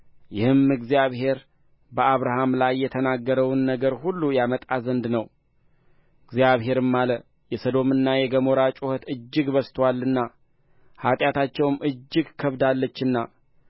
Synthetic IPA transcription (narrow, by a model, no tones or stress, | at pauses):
jɪhɨmɨɡzijaβhe̞ɾ | bəaβɾaɦamlajːɛt̪ʰənaɡːəɾəwnːəɡəɾhulːujamət̪ʼazənd̪nəw | ɨɡzijaβɦe̞ɾɨmːalə | jɛsəd̪o̞mɨnːajɛɡəmoɾat͡ʃʼuhət̪ɨd͡ʒːɪɡbəst̪ʰwalːɨnːa | hat̪ʼjat̪ʰat͡ʃːɛwmʔɨd͡ʒːɨɡkʰəβd̪alːət͡ʃːɨnːa